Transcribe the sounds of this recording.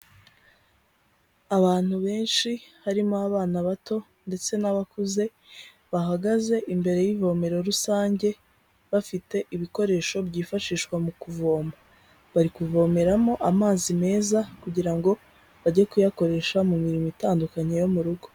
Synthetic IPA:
aβaːn̥huβe̞ːnʃihaɾimoaβaːnaβato̞ | nde̞t͡se̞naβakuze̞ | βaɦaɡaze̞ʔimbe̞ɾe̞jivo̞me̞ɾo̞ɾusaːɲɟe̞ | βafite̞ʔiβiko̞ɾe̞ʃo̞bɟiːfaʃiːʃkwamukuvo̞ːmba | βaɾikuvo̞me̞ɾamo̞ʔamaːzime̞ːzakuɟiɾaŋɡo̞ | βaɟekujako̞ɾe̞ʃamumiɾimitaːndukaɲejo̞muɾuɡo̞

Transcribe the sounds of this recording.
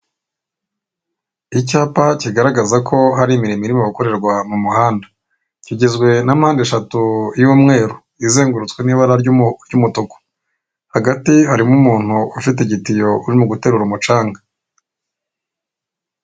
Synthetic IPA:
icaːpaciɡaɾaɡazakʰo̞haɾimiɾimiɾimoβako̞ɾe̞ɾɡwamumuhaːnda | ciɟezɡwe̞namhaːndeʃatujuːmŋe̞ːɾu | ize̞ːŋɡuɾut͡skwe̞niːβaɾaɾɾɟumutoko̥ | haɡatihaɾimumuːn̥huufit̬eɟitijo̞uɾimuɡute̞ːɾuɾumut͡ʃaːŋɡa

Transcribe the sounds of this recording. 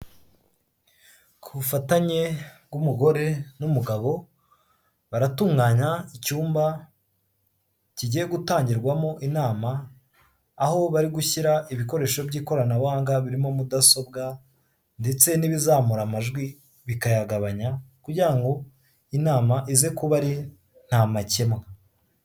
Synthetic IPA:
kʰuufataɲe̞ɡumuɡo̞ɾe̞numuɡaβo̞ | βaɾatuːŋɡaːɲaicuːmba | ciɟijeɡutaːɲɟiɾɡwamo̞ʔinaːmaː | ho̞βaɾiɡuçiɾaʔiβiko̞ɾe̞ːʃo̞bɟiːko̞ɾanawaːŋɡaβiɾimo̞mudaso̞bɡa | nde̞t͡se̞niβizaːmuɾamaʒɡwi | βikajaɡaβaɲakuɾɟiɾaŋɡo̞ | inaːmaʔize̞kuβaɾi | n̥amace̞mŋa

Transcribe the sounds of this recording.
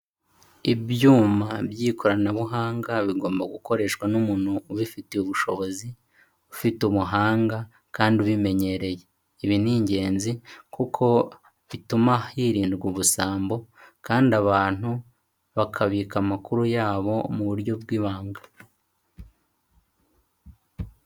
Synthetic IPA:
ibjuːmabjiːko̞ɾanaβuɦaːŋɡaβiɡo̞ːmbaɡuko̞ɾe̞ːʃkwanumuːn̥huːβifiteuβuʃo̞βo̞zi | ufituβuɦaːŋɡa | kaːnduβime̞ɲe̞ɾe̞je̞ | iβiniːɲɟe̞ːnzikukʰo̞ | βitumaiːɾiːndɡuβusaːmbo̞kaːndaβaːn̥hu | βakʰaβikamakuɾujaːβo̞muβuɾɟo̞bɡiːβaːŋɡḁ

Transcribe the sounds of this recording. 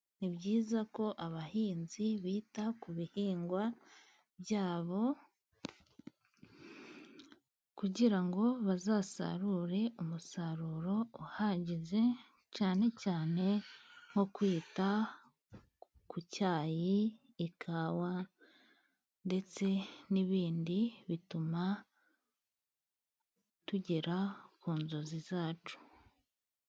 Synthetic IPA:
niβɟiːzako̞ʔaβahiːnziβiːtakuβihiːŋɡwa | bjaːβo̞ | kuɟiɾaŋɡo̞βazaːsa̰ɾuɾe̞umusaɾuːɾo̞uhaɟize̞ | caːne̞caːne̞ŋ̥o̞kwiːta | kucaːjiː | kʰawa | nde̞t͡se̞niβiːndiβituma | tuɟeɾakuːnzozizaːt͡ʃu̥

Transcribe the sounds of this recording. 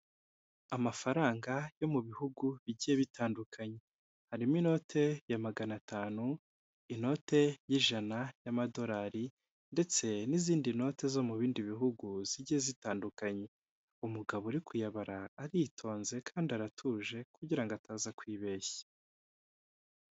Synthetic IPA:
amafaɾaːŋɡajo̞muβihuɡuβiɟije̞βitʰaːndukʰaɲe̞ | haɾiminoːtʰe̞jamaɡanatʰaːnu | ino̞ːte̞jiʒanajamado̞ɾaːɾi | nde̞t͡se̞niziːndino̞te̞zo̞muβiːndiβiɦuɡuz̥iɟihe̞zitaːndukaɲe̞ | umuɡaβoɾikʰujaβaɾaːɾitʰo̞ːnze̞kʰaːndaɾatʰuːʒe̞kuɟiɾaŋɡoataːzakwiːβe̞ːçḁ

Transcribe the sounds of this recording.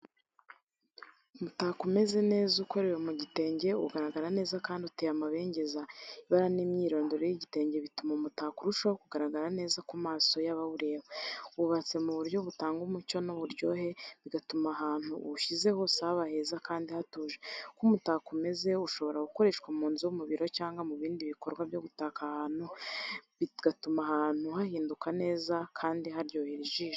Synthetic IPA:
umutakumeze̞ne̞ːzuko̞ɾe̞wemuɟite̞ːɲɟe̞ṵɡaɾaɡaɾane̞ːzakaːndiutejamaβe̞ːɲɟe̞zaiβaɾanimɲiːɾo̞ːndoɾojiɟite̞ːɲɟe̞βitumamutakuɾuʃakuɡaɾaɡaɾane̞ːzakumaːso̞jaβaβuɾe̞ːβeuβat͡se̞muβuɾɟo̞βutaːŋɡumuco̞nuβuɾɟo̞ɦe̞βiɡatumaɦaːn̥hṵːʃize̞ho̞saβahe̞zakaːndihatuːʒekumutakume̞ze̞uʃo̞βo̞ɾaɡuko̞ɾe̞ʃkwamuːnziwumuβiɾo̞caːŋɡamuβiːndiβiko̞ɾɡwabjo̞ɡutaːkahaːn̥u | iɡ̥atumaɦaːn̥uhahiːndukane̞ːzakʰaːndiɦaɾɟo̞ːheɾiʒiːʒe

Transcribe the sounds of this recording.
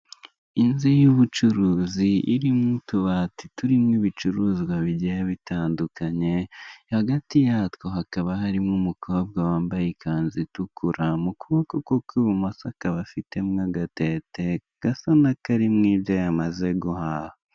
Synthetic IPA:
inzijuβut͡ʃuɾuːziʔiɾimŋutuβatituɾimŋiβit͡ʃuɾuːzɡwaβiɟejaβitaːndukaɲe̞haɡatijatko̞ɦakaβahaɾimŋumukʰo̞ːb̚ɡawaːmbajikʰaːnzitukʰuɾamukuβokokokwuβumosakaβafite̞mŋaɡate̞te̞ | ɡ̥asanakaɾimŋiːbɟo̞jamaze̞ɡuhaho

